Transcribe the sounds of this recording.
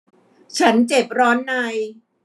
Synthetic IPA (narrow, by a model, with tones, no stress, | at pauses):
t͡ɕʰa˦˥nt͡ɕe˨˩p̚ɾɔː˦˥nːa˧j